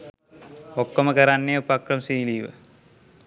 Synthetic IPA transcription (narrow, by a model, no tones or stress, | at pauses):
okːoməkɐɾanːeupakrɐmsiːliːʋə̰